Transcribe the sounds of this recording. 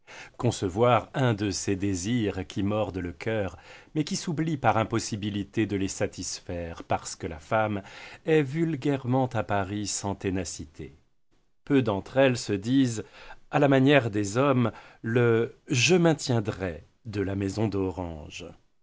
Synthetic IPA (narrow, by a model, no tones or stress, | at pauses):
kɔ̃səvwaʁɛ̃d̪əsed̪eziʁkʲimɔʁd̪ələkʲœʁmɛkʲisublipaʁɛ̃pɔsibilit̪ed̪əlesat̪ʰisfɛʁpaʁsə̥kəlafamɛvylɡʲɛʁmɑ̃t̪apaʁisɑ̃t̪enasit̪ʰḛ | pød̪ɑ̃t̪χɛlsəd̪izalamanjɛʁd̪ezɔmləʒəmɛ̃t̪jɛ̃d̪ʁɛ | d̪əlamɛzɔ̃d̪ɔʁɑ̰̃ʒ